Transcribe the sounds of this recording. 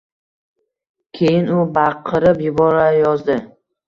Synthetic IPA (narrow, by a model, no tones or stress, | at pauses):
kʲʰe̞jɪnʊbaqʰːɨɾɪpjʊbɒɾajɒzd̪ɪ